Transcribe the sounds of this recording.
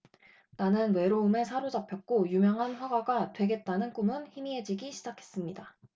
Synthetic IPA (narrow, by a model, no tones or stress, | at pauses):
nanɯnwe̞ɾoume̞sʰaɾod͡ʑapʰjʌk̚k͈ojumjʌŋɦanɸwaɡwaɡatwe̞ɡe̞t̚t͈anɯnk͈umɯnçimiɦe̞d͡ʑiɡiɕʰid͡ʑakʰe̞s͈ɯmɲida